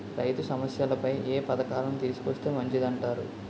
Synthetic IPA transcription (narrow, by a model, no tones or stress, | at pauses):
ɾɐjt̪usɐmɐsjɐlɐpɐjʔeːpɐd̪ɐkaːɾɐmt̪iːsu̥kost̪e̞ːmɐɲt͡ʃid̪ɐɳʈaːɾṵ